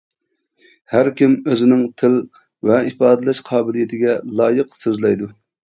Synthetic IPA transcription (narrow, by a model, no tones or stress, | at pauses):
hæɾkʲimøzɪnɪŋt̪ʰɪl | vɛipɑːd̪ɨlˠɛʃqʰɑːbɪlijit̪ʰɪɡʲɛlˠɑːjəqsøzlˠɛjd̪u